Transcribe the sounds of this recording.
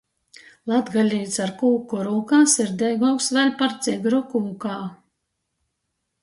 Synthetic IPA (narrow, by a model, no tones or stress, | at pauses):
lˠad̪ɡalʲiːt̪saɾkuːkɔɾuːkaːsiɾd̪ʲɛjɡɔːksvɛlʲpaɾt̪ziɡɾɔkuːkaː